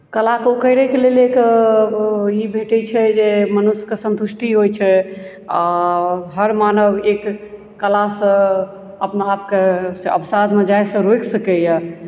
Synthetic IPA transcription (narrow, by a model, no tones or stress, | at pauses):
kəlakukəjɾɛkelelek | ibʱeʈɛt͡ʃʰɛd͡ʒemənuskesə̃nt̪usʈʰiɦojt͡ʃʰɛ | aɦəɾmanəbekː | əlasə̃ | əpnaːp̚kesə̰pʰsad̪med͡ʒajsə̃ɾojksəkɛja